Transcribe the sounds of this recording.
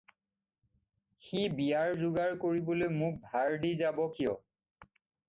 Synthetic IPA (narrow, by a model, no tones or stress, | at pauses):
xibijaɹzʊɡaɹkoɹibɔlojmũk̚bʱaɹdizabɔkijɔ